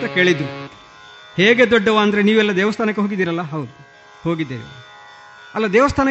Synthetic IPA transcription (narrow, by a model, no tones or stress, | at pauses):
t̪ɐke̞ːɭid̪ɾu | heːɡe̞d̪ɔɖːɐʋaːnd̪ɐɾeniːʋɛlːɐd̪ɛːʋɐst̪ʰaːnɐkːeɦoːɡid̪iːɾɐlːɐɦɐwd̪u | ho̞ːɡid̪ːeːʋḭ | ɐlːɐd̪ɛːʋɐst̪ʰaːnɐ